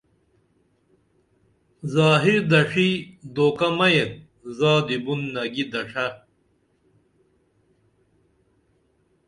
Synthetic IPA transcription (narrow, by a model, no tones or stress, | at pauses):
zaːɦiɾd̪ɐʂid̪oːkɐmɐjet̚ | zaːd̪ibunːɐɡid̪ɐʂɐ